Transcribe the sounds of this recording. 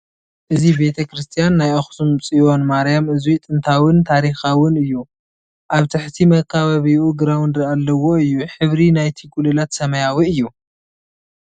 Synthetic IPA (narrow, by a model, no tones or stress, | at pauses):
ʔɨzibe̞t̪ʰɐkɾɨst̪ʰijanːajɐxt̪umt͡sʼionmaɾijamɨzujt̪ʼɨnt̪ʰawɨnt̪ʰaɾixawʊnɨjːu | ʔaβt̪ʰɨħt̪ʰimɐkʰːaβaβiʔuɡɾawnd̪alːɐwo̞ɨjːuħɨβɾinajt̪ʰiɡʰulɨlat̪sɐmɐjawiɨjːu